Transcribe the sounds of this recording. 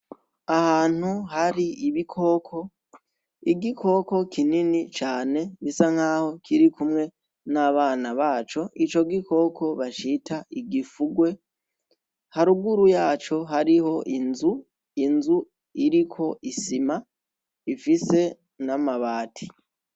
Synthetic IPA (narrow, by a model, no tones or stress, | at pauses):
ahaːn̥huhaɾiiβikʰo̞kʰo̞ | iɡikʰo̞ko̞kininit͡ʃaːne̞βisaŋ̥haːho̞kʰiɾikumŋe̞ | naβaːnaβaːt͡ʃo̞ʔit͡ʃo̞ɡikʰo̞kʰo̞βat͡ʃitʰaʔiɡifuɡwe̞ | haɾuɡuɾujaːt͡ʃo̞ɦaɾiho̞ʔinzu | inzu | iɾikʰo̞ʔisima | ifise̞ | namaβaːtʰi̥